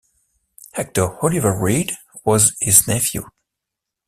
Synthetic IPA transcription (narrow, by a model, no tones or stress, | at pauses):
hɛk̚təhɔlivəɹed | wʌzhɪznɛfjṵ